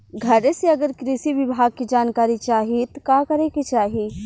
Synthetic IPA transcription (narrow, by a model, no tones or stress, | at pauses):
ɡʱɐɾeseɐɡəɾkɾiʃiʋɪbʱaːɡ̚kid͡ʒaːnkaːɾit͡ʃaːɦit̪kakɐɾekit͡ʃaːɦi